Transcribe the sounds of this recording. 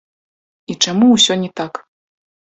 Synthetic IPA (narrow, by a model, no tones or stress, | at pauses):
it͡ʂamuwsʲɔnʲɛt̪ak